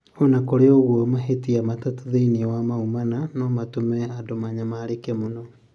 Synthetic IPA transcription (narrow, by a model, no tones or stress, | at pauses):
onakoɾeoɣwɔmaɦetiamatatuðeiniwamaumananɔmatomɛadomaɲamaːɾekɛmonɔ